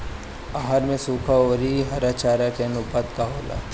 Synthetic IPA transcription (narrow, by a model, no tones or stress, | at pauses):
aɦaɾmẽsuːkʰaoːɾiɦɐɾat͡ʃaːɾakenʊpaːt̪kaɦoːlʔa̰